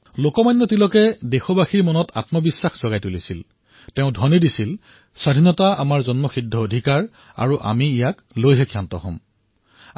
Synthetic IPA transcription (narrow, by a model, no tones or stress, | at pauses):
lokɔmajnːɔtilɔkɛdexɔbaxiɹmɔnɔta̰tmɔbisːaxz̥ɔɡajtulisil | teʊ̃dʱɔnidisil | sadʱinɔtaamaɹzɔnmɔxidʱːɔodʱikaɹ | a̰ɹuʔa̰miːjak | lojɦɛkʰijantɔ̰ɦɔ̰̃m